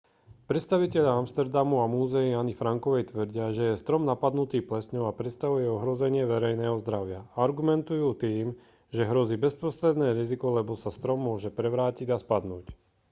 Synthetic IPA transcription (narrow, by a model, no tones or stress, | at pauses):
pɾɛt̪st̪aʋicɛʎaamst̪ɛɾd̪amuamuːzɛianifɾaŋkɔʋɛjt̪ʋr̩ɟɪaʒɛjɛst̪ɾɔmnapad̪nut̪iːplɛsɲɔʊapɾɛt̪st̪aʋujɛɔɦɾɔzɛɲɪɛʋɛɾɛjnɛːɦɔzd̪ɾaʊɪaaɾɡumɛnt̪ujuːt̪iːm | ʒɛɦɾɔziːbɛspɾɔst̪ɾɛd̪nɛːɾizikɔlɛbɔsast̪ɾɔmːʊɔʒɛpɾɛʋɾaːciɟaspad̪nuːc